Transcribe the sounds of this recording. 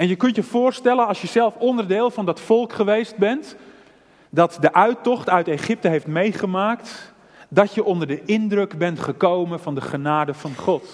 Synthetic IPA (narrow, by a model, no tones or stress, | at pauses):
ɛnjəkɵntjəfʊːərstɛlənɑlˠsjəsɛlˠfondərdɪːlˠfɑndɔtfɔlˠkχəʋejst̚bɛnt | dɔtdəʔœɥtɔχtœɥteːχɪp̚təɦejftmejχəmaːkt | dɔtjəʔɔndərdəʔɪndrøkbɛntχəkowmənfɑndəχənaːdəfɑnχɔt